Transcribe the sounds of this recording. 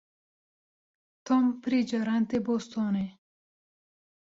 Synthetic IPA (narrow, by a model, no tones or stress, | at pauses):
t̪ompɾid͡ʒɐɾant̪ebost̪ʰone